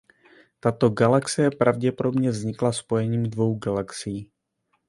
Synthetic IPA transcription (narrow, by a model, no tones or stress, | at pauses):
t̪at̪o̞ɡalaksɪjɛpɾʔavɟɛpodo̞bɲɛvzɲɪklaspo̞jɛɲiːmdvo̞wɡalaksɪjiː